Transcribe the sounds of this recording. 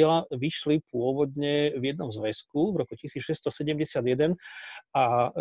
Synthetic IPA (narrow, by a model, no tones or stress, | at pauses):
ɛlaʋiʃlipʊɔʋɔd̪ɲɛvjɛd̪nɔmzʋɛskuvɾɔkucisiːt͡sʃɛst̪ɔsɛɟɛmɟɛsɪad̪jɛd̪ɛnʔa